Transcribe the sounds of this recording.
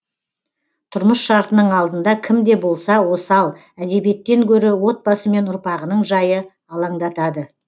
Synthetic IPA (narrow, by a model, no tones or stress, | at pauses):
t̪ʰʊɾməsʃɑɾt̪ənəɴɑlˠd̪ənd̪ɑkʲʰɪmd̪e̞bo̞lˠsɑwo̞sɑlˠ | æd̪e̞bije̞t̪ːe̞ŋkʲʰɵɾɪwo̞t̪̚bɑsəme̞nʊɾpɑʁənəɴʒɑjə | ɑlˠɑɴd̪ɑt̪ɑd̪ə